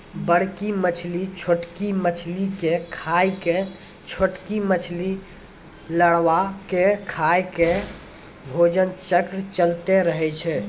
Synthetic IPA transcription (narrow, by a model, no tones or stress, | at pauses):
bəɽ̤kimət͡ʃʰlit͡ʃʰoʈkimət͡ʃʰlikekʰajke | t͡ʃʰoʈkimət͡ʃʰli | ləɽʋakekʰajke | bʱod͡ʒənt͡ʃəkɾt͡ʃəlt̪eɾəɦɛt͡ʃʰɛ